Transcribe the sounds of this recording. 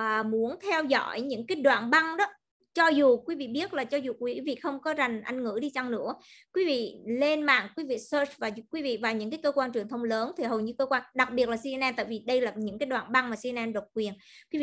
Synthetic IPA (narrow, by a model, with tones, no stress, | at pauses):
əː˨˩mu˨˦ənt̪ʰɛ˧wzɔ̰˧˥˨jɲɨ̰˧˥ŋkaː˨˦jɗwa̰ː˧˨nɓa˧ŋɗɔ˨˦ | t͡ɕɔ˧zu˨˩kwi˨˦vḭ˧˨ɓi˦˥ət̚laː˨˩t͡ɕɔ˧zu˨˩k̚wi˨˦vḭ˧˨xə˧wŋ͡mkɔ˨˦za˨˩jŋ̟ʔa˧jŋ̟ŋɨ̰˧˥ɗi˧t͡ɕa˧ŋnɨ̰˧˥ə | kwi˨˦vḭ˧˨le˧nma̰ː˧˨ŋkwi˨˦vḭ˧˨səː˧˩t͡ɕvaː˨˩kwi˨˦vḭ˧˨vaː˨˩ɲɨ̰˧˥ŋkaː˨˦jkəː˧kwaː˧nt͡ɕwəŋt̪ʰə˧wŋ͡mləː˨˦nt̪ʰi˨˩ɦə˨˩wɲɨ˧kəː˧kwaː˧nɗa˨˩k̚ɓi˨˩ət̚laː˨˩si˧ɛ˧nʔɛː˧nt̪a̰ː˧˨jvi˨˩ɗə˧jlaː˨˩ɲɨ̰˧˥ŋkaː˨˦jɗwa̰ː˧˨nɓa˧ŋmaː˨˩si˧ʔɛ˧nʔɛ˧nɗo˨˩t̚kwi˨˩ənkwi˨˦vi˧˨